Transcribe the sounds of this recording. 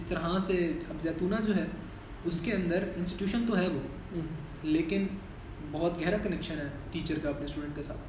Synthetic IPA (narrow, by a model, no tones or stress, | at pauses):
ɪst̪ɐɾɦaseɐbzjaːt̪uːnad͡ʒoːɦɛː | ʊskeɐ̃nd̪əɾɪ̃nsʈiʈjuːʃənt̪oɦɛʋoː | leːkɪn | bɔɦːɔt̪ɡʱɛɦɾakɐnɛkʃənɦɛːʈiːt͡ʃəɾkaɐpnesʈuːɖə̃ɳʈ̚kesa̰ːt̪ʰ